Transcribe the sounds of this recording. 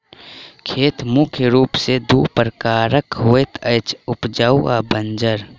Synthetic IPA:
kʰeːt̪mʊkʰjəɾuːpsed̪uːpəɾəkaːɾəkɦoːet̪ʰəɪt͡ʃʰʊpd͡ʒaua̰bənd͡ʒəɾ

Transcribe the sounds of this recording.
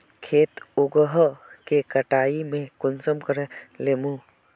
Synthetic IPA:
kʰeːt̪ʊɡəɦkekɐʈaːimẽkʊnsəmkəɾeleːmu

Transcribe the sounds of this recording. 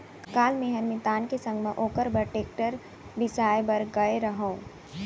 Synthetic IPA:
kaːlmẽɦɐɾmĩt̪aːnkesɐ̃ŋɡmẽʔoːkəɾbəɾʈeːk̚ʈəɾ | bɪsaːjbɐɾɡɐeɾɐɦõː

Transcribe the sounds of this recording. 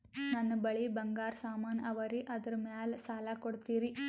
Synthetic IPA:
nɐnːɐbɐɭibɐŋɡaːɾsaːmaːnɐʋɐɾiʔɐd̪ɐɾumaːlsaːlakoɽt̪iːɾi

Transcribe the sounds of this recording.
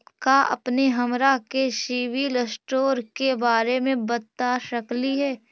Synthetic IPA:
kaɐ̰pneɦɐmɾakeʃiːʋiləsʈoːɾkebaːɾemẽbɐt̪aʃɐkliɦɛː

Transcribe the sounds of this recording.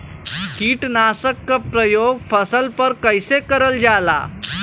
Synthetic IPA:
kiːʈnasəkːəpɾəjoɡfəsəlpəɾkəjsekəɾəld͡ʑala̰

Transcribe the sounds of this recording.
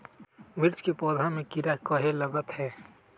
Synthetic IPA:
ʋɪɾt͡ʃkepɔːd̪ʱãmẽkiɾakəɦeləɡət̪hɛː

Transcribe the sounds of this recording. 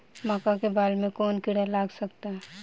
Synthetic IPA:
makakebaːlmẽkɔːnkɪɽalaːɡsək̚t̪aɦɛː

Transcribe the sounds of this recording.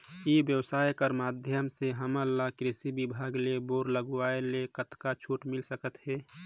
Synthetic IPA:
ibjəwsaːjkəɾmaːd̪ʱjəmseɦəməlːakɾɪsibibʱaːɡleboːɾləɡaːelekət̪kat͡ʃʰuːʈmɪlsəkət̪ɦɛː

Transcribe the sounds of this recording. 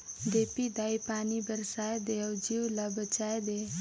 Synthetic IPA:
d̪epid̪ajpaːnibəɾsajd̪eawd͡ʒiwlabət͡ʃajd̪e

